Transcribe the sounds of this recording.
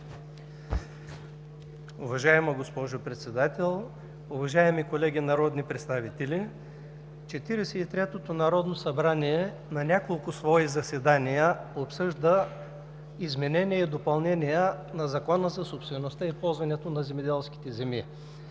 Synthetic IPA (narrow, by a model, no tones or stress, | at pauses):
ʊvɐʒaɛmɐɡospɔʒopɾɛt̪sɛd̪at̪ɛlˠ | ʊvɐʒaɛmikolɛɡʲinɐɾɔd̪nipɾɛt̪st̪avit̪ɛlʲi | t͡ʃɛt̪iɾɛsɛit̪ɾɛt̪ot̪onɐɾɔd̪nosɐbɾaniɛ | nɐnʲakolˠkʊsvɔizɐsɛd̪anijəopsɤʒd̪ə | izmɛnɛnijɛid̪opɐlˠnɛnijənɐzɐkɔnəzɐsopst̪vɛnost̪aispɔlˠzvɐnɛt̪onɐzɛmɛd̪ɛlˠskʲi̥t̪ɛzɛmi